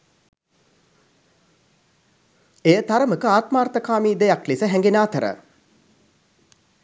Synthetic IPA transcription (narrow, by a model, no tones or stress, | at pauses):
ejət̪aɾəməkəaːt̪maːrt̪əkaːmiːd̪ejaklisəɦɛŋɡenaːt̪əɾə̰